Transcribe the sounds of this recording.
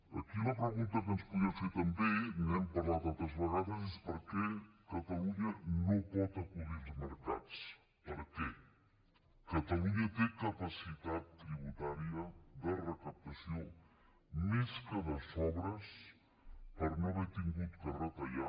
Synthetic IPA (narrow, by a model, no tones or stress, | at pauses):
ə̰kiləpɾəɣunt̪əkənspuðafet̪əmbemɛmpəɾlat̪alˠt̪ɾəzβəɣaðəzespəɾkɛkət̪əluɲənopɔt̪əkuʎilˠzməɾka̰t͡s | pəɾkɛ | kət̪əluɲət̪ekəpəsit̪at̪ːɾiβ̞ut̪aɾiəðərəkəp̚t̪əsio | meskəβəsɔβɾəs | pəɾnoaβɛɾt̪iŋɡut̪kərət̪əʎa